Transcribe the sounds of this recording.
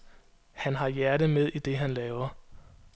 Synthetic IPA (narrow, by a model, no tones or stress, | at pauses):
hænɦɑ̈jæɐɾəmeð̞ˠid̥e̝ɦænlɛːʊɐ